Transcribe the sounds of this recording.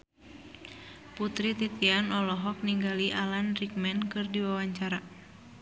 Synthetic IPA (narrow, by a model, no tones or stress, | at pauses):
put̪ɾit̪it̪ianɔlɔɦɔk̚niŋɡaliʔalanrik̚mɛnkɨrdiwawaɲt͡ʃaɾa